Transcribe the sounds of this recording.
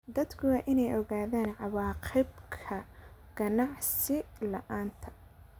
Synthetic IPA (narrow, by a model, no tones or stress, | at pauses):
d̪ɐd̪kʰʊaʔɪnɛjʔɔɣaːðaːnʕɑwɑːqɪbkʰɐɡ̥ɐnɑʕsɪlɐʔaːnt̪ʰɐ̥